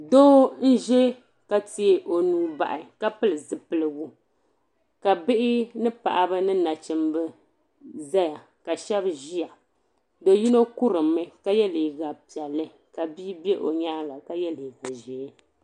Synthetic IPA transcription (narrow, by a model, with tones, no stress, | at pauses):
do˦n̩˦ʒɛ˦ | ka˨ti˦e˨ʔo˨nuː˨˦ba̰˨ʔɪ˨ka˦pɨ˦lɨ˨zɨ˨pɨ˨lɨ˨bu˦ | ka˨bɨ˦ʔɪ˦nɨ˦pa̰˨ʔa˨bɨ˦nɨ˦na˨t͡ʃɨ˨mbɨ˦ | za˦ja˨ | ka˨ʃɛ˦bʒi˦ja˨ | do˨ji˦no˦ku˦ɾɨ˨mːɨ˦ka˦jɛ˦li˨ɡa˨pi˨ɛ˨lːɨ˦ | ka˨biː˦bɛ˦ʔo˨ɲaː˦ɡa˨ka˦jɛ˦li˨ɡa˨ʒɛ˨˦